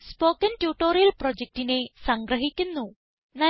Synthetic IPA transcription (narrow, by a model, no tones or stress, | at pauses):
spo̞ːkːɐntjuːʈːoːɾijɐlprod͡ʑek̚ʈine̞sɐŋɡɾɐɦikʲːunːu | nɐ